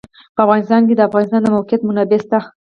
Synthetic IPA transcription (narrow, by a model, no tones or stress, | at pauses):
pəafɣɑnɪst̪ɑnk̬ed̪əafɣɑnɪst̪ɑnd̪əmawqjat̪mʊnabest̪a